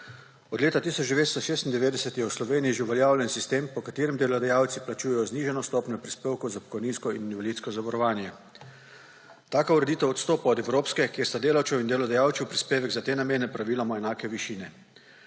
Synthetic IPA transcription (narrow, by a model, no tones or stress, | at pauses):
ɔd̪leːt̪at̪iːsɔt͡ʃd̪ɛʋeːt̪st̪ɔʃeːst̪ind̪ɛʋeːd̪ɛsɛt̪jɛwslɔʋeːnijiʒeuʋɛljaːwljɛnsist̪eːmpɔkat̪eːɾɛmd̪eːlɔd̪ajaːwt̪siplat͡ʃuːjɛjɔzniːʒɛnɔst̪ɔpnɔpɾispeːwkozapɔ̥kɔjninskɔininʋaliːt̪skɔzaʋɔɾɔʋaːnjɛ | t̪aːkauɾɛd̪iːt̪ɛwɔt̪st̪oːpaɔd̪ɛwɾoːpskɛkjeːɾst̪ad̪eːlawtt͡ʃ̪ɛwind̪eːlɔd̪ajaːw̪sɛwpɾispeːʋɛɡzat̪eːnameːnɛpɾaʋiːlɔmaɛnaːkɛʋiʃiːnɛ